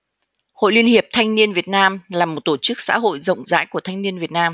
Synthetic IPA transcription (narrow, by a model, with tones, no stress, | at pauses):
ho̰˧˨jli˧ənhi˨˩əp̚t̪ʰa˧jŋ̟ni˧ənvi˨˩ət̚naː˧mlaː˨˩mo˨˩t̚t̪o˧˩t͡ɕɨ˦˥k̚sa̰ː˧˥ɦo̰˧˨jzə̰˧˨wŋ͡mza̰ː˧˥jku˧˩ət̪ʰjŋni˧ənvi˨˩ət̚naː˧m